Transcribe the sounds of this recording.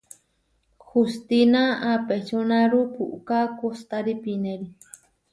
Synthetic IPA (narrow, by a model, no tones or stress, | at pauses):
xust̪inaapet͡ʃonãɾupʰuʔkakost̪aɾipineɾi